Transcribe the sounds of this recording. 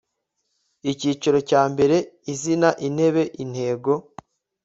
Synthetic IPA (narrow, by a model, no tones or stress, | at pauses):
iciːt͡ʃaɾo̞caːmbe̞ɾe̞izinaʔin̥he̞βe̞ʔin̥he̞ːɡo̞